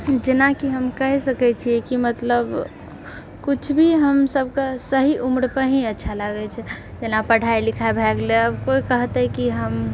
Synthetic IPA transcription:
d͡ʒenakiɦəmkəɦɛsəkɛt͡ʃʰiɛkimət̪ləb | kut͡ʃʰbʱiɦəmsəb̚ʱkesəɦiʔumɾpəɾɦĩətːʃʰaləɡɛt͡ʃʰɛ | d͡ʒenapəɽ̤ʱailikʰabʱɛɡleəbkoikəɦt̪ɛkiɦəm

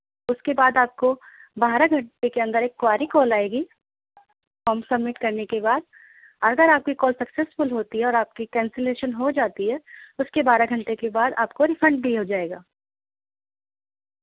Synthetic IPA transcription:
ʊskebaːd̪aːp̚kobaːɾaɡʱɐ̃ɳʈekeɐ̃nd̪əɾeːkːwaːɾikɔːlaːeːɡiː | fɔːmsɐbmɪʈkɐɾnekebaːd̪̚ | ɔːɾɐɡəɾaːp̚kikɔːlsɐksesfʊlɦoːt̪iɦɛɔːɾaːp̚kikɛ̃ːnseleːʃənɦod͡ʒaːt̪iɦɛʊskebaːɾaɡʱɐ̃ɳʈekebaːd̪a̰ːp̚koɾɪfɐ̃ɳʈbʱiɦod͡ʒaːeːɡaː

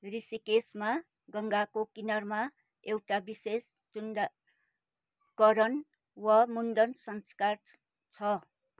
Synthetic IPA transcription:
risikesma | ɡʌŋɡakokinʌrma | ewʈabises | t͡sund | kʌɾʌn | wʌmund̪ʌnsʌnskar | t͡sʰʌ

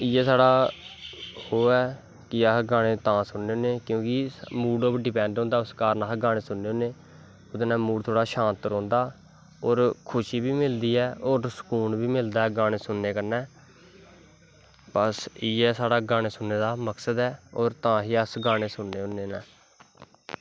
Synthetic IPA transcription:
ɪːɛːsaːɽaː | hoːɛː | kɪaɡaːɽ̃eːt̪ãːsʊnːeõːneːkjõːkɪmuːɖoːpɖɪpɛ̃ːɳɖõːnd̪aːʊskaːɾnaːkɡaːɽ̃eːsʊnːeːõːneː | ʊd̪enɛ̃ːmuːɽt̪ʰoːɽaːʃãːnt̪ɾõːnd̪aː | oːɾkʰʊʃiːbiːmɪld̪iːɛːoːɾsə̥kuːnbiːmɪld̪aːɛːɡaːɽ̃eːsʊnːeːkəɾnɛː | pəsiːɛːsaːɽaːɡaːñeːsʊnːeːd̪aːməksəd̪ɛːoːɾt̪ãːɦiːəsɡaːɽ̃eːsʊnːeːɦõːneːnɛː

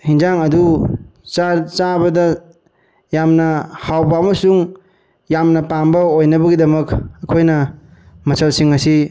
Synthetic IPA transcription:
hind͡ʒaŋɐdut͡ʃat͡ʃabɐdɐ | jamnɐhawbɐːmɐsuŋ | jamnɐpambɐojnɐbɐɡidɐmɐkɐkʰojnɐ | mɐsɐlsiŋɐsi

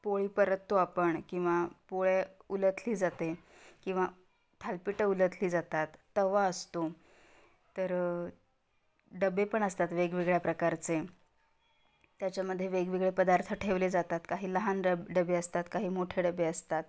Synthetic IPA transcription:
poɭiːpəɾət̪ːoapəɳkĩw̃ʋapoɭjeulət̪ʰliːd͡zat̪ekĩw̃ʋa | t̪ʰalpiʈəulət̪ʰliːd͡zat̪at̪ːəʋaəst̪o | t̪ːəɾ | ɖəbepəɳəst̪at̪ʋeɡʋiɡɭjapɾəkaɾt͡se | t̪jat͡ɕjaməd̪ʱːjeʋeɡʋiɡɭepəd̪aɾt̪ʰəʈʰeʋled͡zat̪at̪kaɦiːləɦanəɖəbeəst̪at̪kaɦiːmoʈʰeɖəbːeəst̪at̪̚

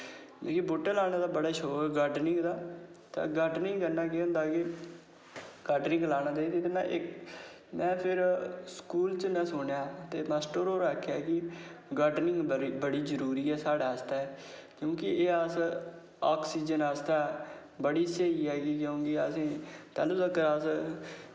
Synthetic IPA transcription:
eːkiboːʈːəlaːñaːd̪aːbəɽaːʃoːɡaːɾɖnɪ̃ŋɡd̪aː | t̪ã̰ɡaːɾɖnɪ̃ŋɡɡənaːkeːʊ̃nd̪aːkɪ | ɡ̥aːɾɖnɪ̃ŋɡlaːɽ̃aːd̪eːiːt̪et̪emɛ̰̃ʔɪk | mɛ̃ːpʰɪɾskuːlt͡ʃənə̃sʊɳjaːt̪eːmɛːsʈəɾoːɾaːkʰːaːkɪɡaːɖnɪ̃ŋɡbəɽiːzəɾuːɾiːɛːsaːɽaːəst̪aːɛːkjõːkɪeːəs | aːksiːd͡ʒənaːst̪aːbəɽiːseːiːɦɛːɡikjõːkɪəsĩːt̪a̰ːlũːt̪əkːəɾaːs

